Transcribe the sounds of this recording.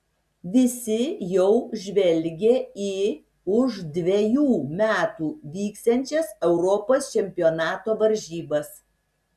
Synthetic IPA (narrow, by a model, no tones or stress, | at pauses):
ʋʲɪsʲɪjɛʊʒʲʋʲɛlʲɡʲeːiː | ʊʒd̪ʲʋʲɛjuːmʲæːt̪uːʋʲiːkst̪ɛnʲt͡ʃʲɛsɛʊɾɔpoːst͡ʃʲɛmʲpʲɪonɑːt̪oːʋɐɾʲʒʲiːbɐs